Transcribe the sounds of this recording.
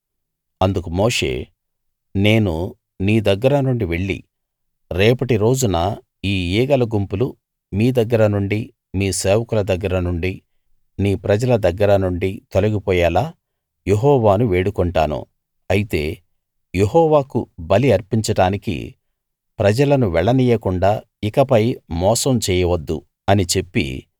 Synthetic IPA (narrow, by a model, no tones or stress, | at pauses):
ɐnd̪ukumoːʂe̞̰ː | ne̞ːnu | niːd̪ɐɡːɐɾɐnuɳɖiʋe̞ɭːḭ | ɾɛːpɐʈiɾo̞ːd͡ʒunɐ | iːiːɡɐlɐɡumpulu | miːd̪ɐɡːɐɾɐnuɳɖi | miːseːʋɐkulɐd̪ɐɡːɐɾɐnuɳɖi | niːpɾɐd͡ʒɐlɐd̪ɐɡːɐɾɐnuɳɖit̪olɐɡipɔːjaːlaː | jeɦɔːʋaːnuʋe̞ːɽukɔɳʈaːnṵ | ɐjit̪e̞̰ː | jeɦɔːʋaːkṵbɐliɐɾpiɲt͡ʃɐɽaːnikḭ | pɾɐd͡ʒɐlɐnuʋɛɭɐniːjɐkuɳɖaː | ikɐpɐjmɔːsɐmt͡ʃɛːjɐʋɐd̪ːṵ | ɐnit͡ʃe̞pːḭ